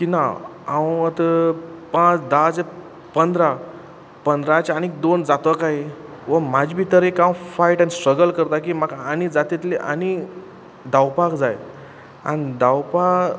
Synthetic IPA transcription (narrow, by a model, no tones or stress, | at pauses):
kina | awət̪əpãt͡sd̪at͡se | pənd̪ɾa | pənd̪ɾat͡ɕañik̚d̪ond͡zat̪əkaɦi | ʋəm̤ad͡ʑbʱiːt̪əɾekawfaiʈanisʈɾəɡəlkəɾt̪akiːmakanid͡zat̪it̪leʔa̰ni | d̪awpakd͡zaj | a̰nid̪awpa